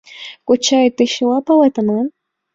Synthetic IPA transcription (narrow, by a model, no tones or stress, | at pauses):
kʊt͡ʃajt̪ɪʃɪwapawat̪aman